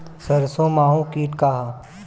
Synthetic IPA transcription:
sɐɾsõːmaːɦũkiːʈkaːɦaː

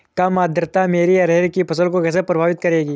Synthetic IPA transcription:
kamaːd̪əɾt̪ameːɾiɐɾeɾkipʰɐsəlkokɛːs̬epɾɐbʱaːʋɪt̪̚kɐɾeːɡiː

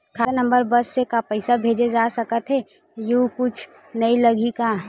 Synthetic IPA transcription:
kʰanə̃mbəɾbɐsːekapəɪsabʱeːd͡ʒed͡ʒasəkət̪ɦɛ | jukʊt͡ʃʰ | nɐiləɡika

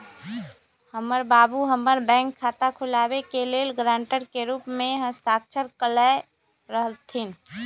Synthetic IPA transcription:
həməɾbaːbuɦəməɾbɛ̃ːŋkʰːaːt̪akʰʊlaːwekeleːlɡɾãːɳʈəɾkeɾuːpmẽɦəst̪aːk̚t͡ʃʰəɾkələ | ɾəɦəlt̪ʰin

